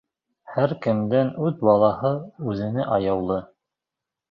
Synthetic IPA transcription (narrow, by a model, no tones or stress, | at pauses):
hæɾkɘ̆md̪ænʉðbɑlˠɑhɤʉðɘ̆nɘʔɑjɑwlˠɤ